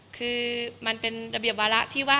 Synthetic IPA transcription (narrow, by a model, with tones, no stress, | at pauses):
kʰɯː˧ma˧npe˧nɾa˧bi˨˩əp̚waː˧ɾa˦˥ʔt̪ʰiː˥˩waː˥˩